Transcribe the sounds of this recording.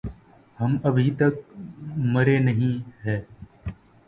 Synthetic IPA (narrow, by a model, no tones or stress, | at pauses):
həməbʱiːt̪ək̚ | məɾeːnəɦĩːɦɛː